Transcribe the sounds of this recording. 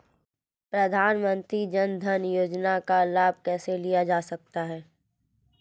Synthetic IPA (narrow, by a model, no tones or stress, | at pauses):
pɾɐd̪ʱaːnmə̃nt̪ɾid͡ʒɐnd̪ʱənjoːd͡ʒnakalaːb̚ʱkɛːselijad͡ʒaːsɐk̚t̪aɦɛː